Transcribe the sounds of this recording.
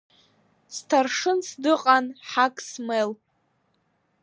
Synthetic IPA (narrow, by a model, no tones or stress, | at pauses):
stʰarʂɨnsdɨqʼanħakʼsmel